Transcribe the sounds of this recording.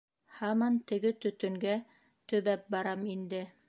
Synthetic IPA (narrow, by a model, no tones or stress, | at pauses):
hɑmɑnt̪ɘ̆ɡɘt̪ɵ̆t̪ɵ̆ŋɡæ | t̪ɵ̆βæp̚bɑɾɑmind̪ɘ